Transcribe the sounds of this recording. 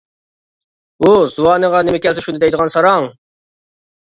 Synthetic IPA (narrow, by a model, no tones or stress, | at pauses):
uzuwɑːnəʁɑnɪmɪkʲʰɛlsɛʃunɨɪd̪ɛjd̪əʁɑnsɑɾɑŋ